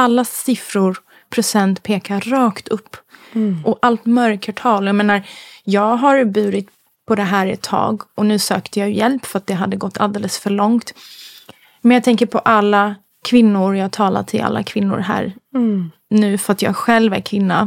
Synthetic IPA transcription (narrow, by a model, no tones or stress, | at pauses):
alːasɪfɾʊɾ | pʰɾʊsɛnt̪pʰeːkaɾɑːkt̪ɵpːʔɔʔalt̪mœɾkʰəʈʰɑːlɔjameːnaɾjɑːɡɦaɾbʉ̟ːɾɪt̪ | pʰɔd̪ɛɦæːɾɛt̪ʰːɑ̰ːɡɔnʉ̟ːsøːkt̪əjɑːjɵjɛlpːfɾat̪̚d̪ɛɦad̪ːəɡɔt̪ːa̰ld̪eːləsfœɭɔŋt̪ | mɛnjɑɡt̪ʰɛŋkəɾpʰɔʔalːa | kʰvɪnːʊɾjɑːɡ̚t̪ʰɑːla̰t̪ʰɪla̰lːa̰kʰvɪnːʊ̰ɾɦæ̰ːɾ | nʉ̟ːfœɾat̪jɑ̰ːɡɧɛlːvæ̰ɾkʰvɪnːa̰